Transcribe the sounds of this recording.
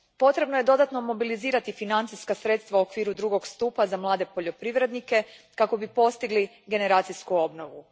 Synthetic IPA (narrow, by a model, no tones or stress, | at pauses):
po̞t̪ɾe̞bnoje̞d̪o̞d̪at̪no̞mo̞biliziːɾat̪ifinant̪sijskasɾe̞t̪st̪ʋauokʋiːɾud̪ɾuɡo̞ɡst̪uːpazamlˠaːd̪e̞po̞ʎo̞pɾiʋɾe̞d̪nike̞kako̞bipo̞st̪iɡli | ɡe̞ne̞ɾaːt̪siskuo̞bno̞ʋu